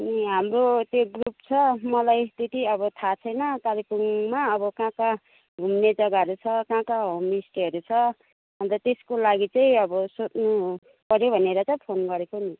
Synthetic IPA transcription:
niɦamrot̪joɡrup̚t͡sʰʌmʌlajst̪it̪iʌbʌt̪ʰat͡sʰʌjnʌt̪alipuŋmaʌbʌkãka | ɡʱumned͡zʌɡaɦʌɾut͡sʰʌkãkaɦomisʈiɦʌɾut͡sʰʌ | bʌnt̪ʌt̪eskolaɡit͡saĩʌbʌsot̪nu | pʌɾjobʱʌneɾʌt͡sʌĩpʰonɡʌɾekoni

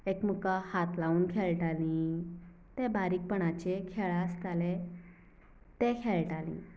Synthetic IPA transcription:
ekmukahat̪lauːnkʰeɭʈalĩ | t̪ɛbaɾiːk̚pəɳat͡ɕekʰeɭast̪ale | t̪ɛ̃kʰeɭʈalḭ̃

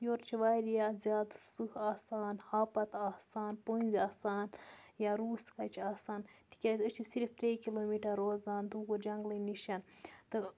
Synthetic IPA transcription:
joːɾt͡ʃʰiʋaːɾjazʲaːd̪sɨhaːsaːnhaːpɐt̪aːsaːnponʲzʲaːsaːn | jaɾuːskat͡ʃʰiaːsaːn | t̪ʰi̥kʲazət͡ʃʰisiɾft̪ɾeːkiloːmiːʈɐɾːoːzd̪aːnd̪uɡud͡ʒɐŋɡlɨniʃant̪ɨ

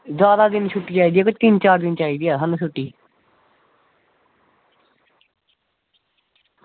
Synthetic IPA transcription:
zjaːd̪aːd̪ɪnt͡ʃʰʊʈːiːt͡ʃaːiːd̪iːaːkʊt͡ʃt̪ɪnt͡ʃaːɾd̪ɪnt͡ʃaːiːd̪iːaːɦanũːʃʰʊʈːiː

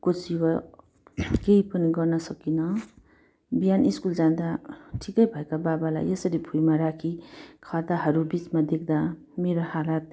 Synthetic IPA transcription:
kosiwa | keipʌniɡʌrnʌsʌkinʌ | bijaniskuld͡zand̪aʈʰikʌjbʱʌekababala̰jesʌɾibʱujmaɾakʰikʰad̪aɦʌɾubit͡smad̪ek̚ʰd̪a | meɾohalat̪̚

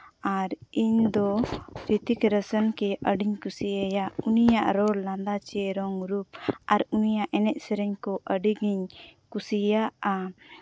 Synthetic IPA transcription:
aɾiɲd̪ɔɾit̪ikɾəsənkɛʔəɖiɲkusiəjaʔunijaʔɾɔɾlãnd̪at͡ʃɛɾɔŋɾupaɾunijaʔɛnɛʔ̚sɛɾɛɲkɔʔəɖiɡiɲkusijaʔa

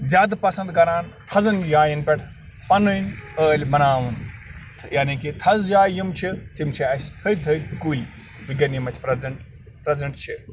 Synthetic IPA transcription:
zʲjaːd̪pɐsɐ̃nd̪ɡɐɾaːnt̪ʰɐzɐnjaːjinpʲɛʈʰ | pɐnɨnəːlʲmɐnaːʋunt̪ʰjaːnikit̪ʰɐzjaːjimt͡ʃʰik̪imt͡ʃʰiɐsʲt̪ʰət̪ʰət̪kuːlʲ | biɡɐnjimɐt͡ʃʰpɾɐzɐɳʈ | pɾɐzɐɳʈt͡ʃʰi

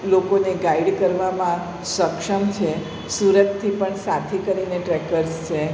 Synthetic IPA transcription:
lokoneɡaiɖkəɾʋamã | səkʃəmt͡ʃʰe | suɾət̪ʰːipəɳsat̪ʰikəɾineʈɾekəɾst͡ʃʰe

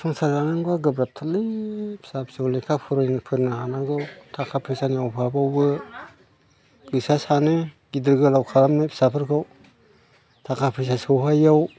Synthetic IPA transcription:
sɔŋsaɾɡaŋɯŋbaɡɯbɾap̚tʰalipʰsapsɯwlekʰapʰɯɾɔjnɯpʰɯɾnaɦanaɡɯwtʰakʰapʰɯsaniawpʰabawbɯ | ɡɯsasanɯɡidɯɾɡɯlawkʰaɾamnepʰi̥sapʰɯɾkʰɯw | tʰakʰapʰɯs̬asɯwɦajaw

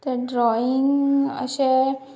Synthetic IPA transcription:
t̪eɖɾɔiŋɡə̰ɕe

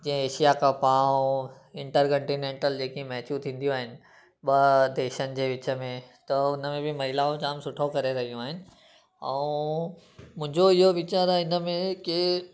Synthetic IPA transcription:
d͡ʑĩːɦə̃eːʃijakʰãpãː | ɪ̃ɳʈəɾkɐ̃ɳʈinẽːɳʈəld͡ʑeːkimɛɦt͡ɕjũt̪ʰĩːn̆d̪ijoaːɦɪnɪ̆ | ɓɐd̪eːʃənɪ̆d͡ʑeːʋɪt͡ɕəmẽt̪ɐʊnəmẽbʱɪmɐɦɪlaːũt͡ɕaːmsʊʈʰokɐɾeɾɐɦijũaːɦɪnɪ̆ | ɛ̃ | mʊ̃ɦɪ̃ɲd͡ʑoɪɦoʋɪt͡ɕaːɾaɪnəmẽkɪ

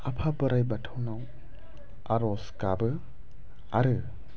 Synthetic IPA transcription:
apʰabɯɾajbatʰawnaw | aɾɔskabɯ | aɾɯ

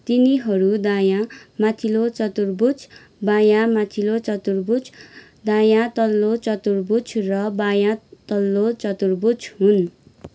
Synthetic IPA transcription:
t̪iniɦʌɾud̪ajamat̪ʰilot͡sʌt̪urbut͡sʰ | bajamat̪ʰilot͡sʌt̪urbut͡s | d̪ajat̪ʌlːot͡sʌt̪urbut͡sʰrʌbajat̪ʌlːot͡sʌt̪urbut͡sɦun

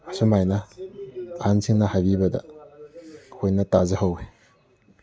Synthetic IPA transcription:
asumajnɐ | ansʰiŋnɐhajbibɐdɐ̰ | hojnɐtazɐhawe

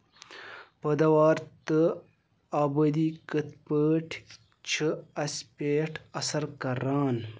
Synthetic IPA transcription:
pɐd̪ɐwaːɾt̪ə | aːbɐd̪ikət̪pəːʈʰ | t͡ɕʰɨɐspeːʈɐsɐɾkɐɾaːn

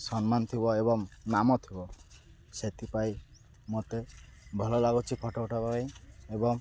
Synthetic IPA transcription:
sɔnmant̪ʰibɔebɔŋnamɔt̪ʰibɔ | set̪ʰipaj | mot̪ebʱɔlɔlaɡut͡ʃʰipʰɔʈɔʈɔpaajebɔŋ

